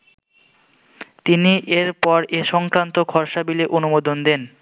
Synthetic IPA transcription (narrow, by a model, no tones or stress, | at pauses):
t̪iniʔeɾpɔɾeʃɔŋkɾant̪okʰɔɾʃabileʔonumod̪ond̪en